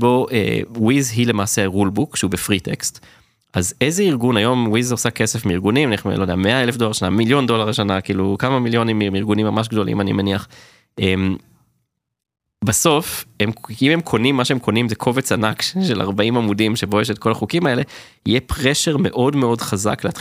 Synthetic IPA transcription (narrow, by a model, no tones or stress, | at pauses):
bo̞ʔḛwizɦile̞maːseʁulbukʃeubefʁitekst | ʔazezeiʁɡunajo̞mwizosake̞sefmiiʁɡunimniχlod̪eameaelefdo̞laʁʃanamiljo̞nd̪o̞laʁleʃanakiːlukamamiljo̞nimiiʁɡunimːamaʃ̬ɡd̪o̞lḭmanḭmeniaχ | em | baso̞femime̞mkʰo̞nimːaʃeemkʰo̞nimzekʰo̞vet͡sanakʃʃela̰ʁbaimamudimʃebojeʃ̬et̚kʰo̞laχukimae̞le̞ | ijepʁeʃeʁme̞̰ʔo̞dme̞o̞dχaza̰kleat